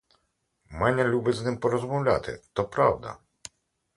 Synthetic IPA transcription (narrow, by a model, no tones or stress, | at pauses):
mɛnʲɐlʲubɪznɪmpɔɾɔzmɔwlʲa̰t̪ɪ̰t̪ɔpɾɑ̰wd̪ɐ̰